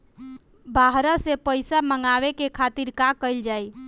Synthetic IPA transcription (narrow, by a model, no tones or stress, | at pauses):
bʱaɦɾəsepəjsaməŋɡawekekʰat̪iɾkakəɪld͡ʒaj